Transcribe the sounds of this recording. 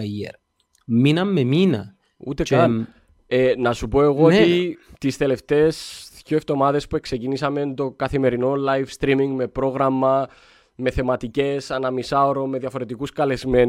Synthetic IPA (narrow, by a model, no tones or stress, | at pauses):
jḛɾ | minɐmːeminɐ̰ | ṵt̪ekɐn | enɐsupo̞e̞ɣoot̪it̪ist̪e̞le̞ft̪e̞ːsðjoeft̪o̞mɐðe̞spue̞kse̞cinisɐme̞nt̪o̞kɐθime̞ɾino̞lajfst̪ɾimiŋɡme̞pɾo̞ɣɾɐmːɐ | me̞θe̞mɐt̪ice̞sɐnɐmisaoɾo̞me̞ðjɐfo̞ɾe̞t̪ikuskɐle̞zme̞n